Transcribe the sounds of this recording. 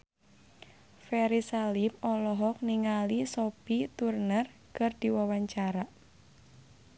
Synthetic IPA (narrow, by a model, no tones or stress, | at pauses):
fɛɾisalimɔlɔɦɔk̚niŋalisopit̪urnər | kɨrd̪̥i̤wawaɲt͡ʃaɾaʔ